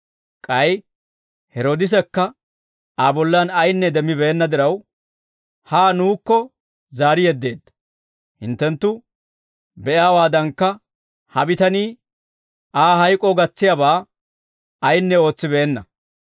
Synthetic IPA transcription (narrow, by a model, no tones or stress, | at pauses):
kʼɐj | hɛɾoːd̪ɪs̬ɛkːɐ | aːbɔlːanɐjnːɛd̪ɛmːɪbeːnːɐd̪ɪɾɐw | haːnuːkːɔ | zaːɾɪjɛd̪ːe̞ːd̪ːɐ̥ | hɪ̰nt̪ːɛnt̪ːʊ | bɛʔaːwaːd̪ɐŋkːɐ | hɐbɪt̪ɐniː | ʔaːɦɐjkʼːɔɡɐt͡sːɪjabaː | ɐjnːɛo̞ːt͡sːɪbeːnːɐ